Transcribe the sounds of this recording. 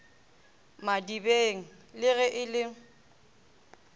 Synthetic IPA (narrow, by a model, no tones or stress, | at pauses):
madibeːŋ̩ | lɪɣɛʔɪlɪŋ̩